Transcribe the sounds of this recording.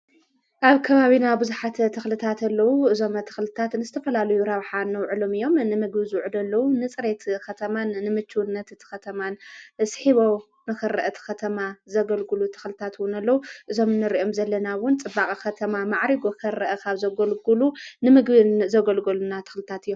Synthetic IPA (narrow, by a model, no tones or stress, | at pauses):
ʔaβkʰɐβaβinabɨzuħat̪t̪ʰɨxlɨt̪ʰat̪ɐlːɐwuɨzo̞mɐt̪ʰɨ̥xlɨt̪ʰat̪nɨzɨt̪ʰɐfɐlalɐjuɾɐβħanːɐwʕɨlo̞mɨjo̞mnɨmɨɡβizɨwʕud̪ɐlːɐwunɨt͡sʼɨɾe̞t̪kɐt̪ʰɐmanːɨmɨt͡ʃʰːuwnːɐt̪t̪ʰxɐt̪ʰɐmansħiβo̞w | nɨxɨɾɨʔɐt̪ʰxɐt̪ʰɐmazɐɡɐlɡɨlut̪ʰɨ̥xlɨt̪ʰat̪wʊnɐlːɐwuʔɨzo̞mnɨɾiʔo̞mzɐlːɐnawʊnt͡sʼɨbakʼikɐt̪ʰɐmamaʕɾiɡo̞kʰɨɾɐʔɐkʰaβzɐɡɐlɡulunɨmɨɡbɨnzɐɡɐlɡɐlunat̪ʰɨ̥xlɨt̪ʰat̪ɨjːom